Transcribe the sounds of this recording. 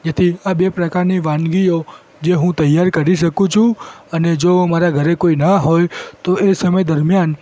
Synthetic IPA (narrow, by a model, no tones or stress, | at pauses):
d͡ʒet̪ʰiabepɾəkaɾniʋãnɡio | d͡ʒeɦũt̪əjːaɾkəɾiʃəkũt͡ʃʰũəned͡ʒomaɾaɡʱəɾekoinaɦojt̪oesəməjd̪əɾmjan